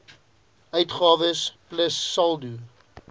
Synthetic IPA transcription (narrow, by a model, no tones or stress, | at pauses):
œɥtχɑːvəspləsːɐlˠdu